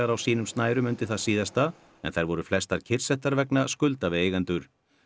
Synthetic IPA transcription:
aɾawsiːnʏmst̪naːjɾʏmʏnt̪ɪθaðsiːðast̪a | ɛ̰nθajɾvɔɾʏflɛst̪aɾ̥cʰɪr̥sɛht̪aɾvɛknaskʏlt̪avɪeːjɣant̪ʏɾ̥

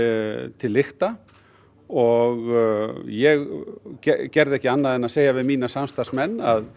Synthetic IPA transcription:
t̪ʰɪlːɪxt̪a | ɔɣjɛɣɛcɛɾðɪɛhcːɪanːaðɛnaðseːjavɪðmiːnasamst̪asmɛnːa̰ð

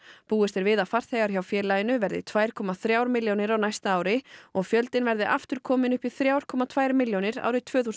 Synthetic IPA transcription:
puːɪst̪ɪɾvɪðafar̥θhɛɣaɾ̥çawfjɛːɾlaːjɪnʏvɛɾðɪ̰t̪ʰvaːjɾ̥kʰɔːmaθɾjaːwɾmɪljownɪɾawnajst̪aaːwɾɪɔɣfjœlt̪ɪnvɛɾðɪʔaft̪ʏɾ̥kʰɔːmɪnʏhpiθɾjaːwɾ̥kʰɔːmat̪ʰvaːjɾmɪljownɪɾa̰wɾɪt̪ʰv̥œːθus

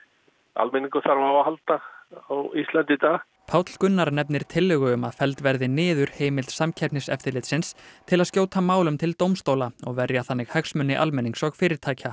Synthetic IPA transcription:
a̰lmɪniŋkʏθaɾvawahalt̪aawist̪lɛnt̪ɪt̪aː | pʰawt̪l̥kʏnːaɾnɛpnɪɾ̥t̪ʰɪlːʏɣʏʏma̰ðfɛlt̪vɛɾðɪnɪːðʏɾ̥heːjmɪlt̪samcʰɛp̚nɪsɛ̰ft̪ɪɾlɪt̪sɪnst̪ʰɪlaðscjoːwt̪ʰamaːwlʏmt̪ʰɪlt̪owmst̪owlaɔɣvɛɾjaθanːɪɣhɛksmʏnːɪʔalmɛniŋksɔɣfɪːɾɪɾ̥t̪ʰaːjcʰa

